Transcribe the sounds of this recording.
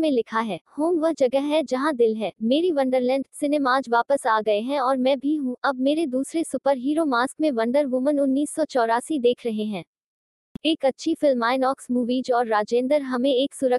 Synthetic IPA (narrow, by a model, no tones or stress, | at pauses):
mẽlɪkʰaɦɛːhoːmʋəɦd͡ʒɐɡəɦɦɛd͡ʒɐɦãd̪ɪlɦɛːmeːɾiʋɐ̃ɳɖəɾlɛ̃ːɳɖsɪneːmaːd͡ʒʋaːpəsaːɡɐeɦɛ̃ɔːɾmɛ̃bʱiɦũɐb̚meːɾed̪uːsɾesʊpəɾɦiːɾomaːskmẽʋɐ̃ɳɖəɾʋʊmənʊnːiːsːɔt͡ʃɔːɾaːsid̪eːkʰɾɐɦeɦɛ̃ː | eːkɐtːʃʰifɪlmaːɪnɔːksmuːʋiːd͡ʒɔːɾːaːd͡ʒẽːnd̪əɾɦɐmẽeːksʊɾə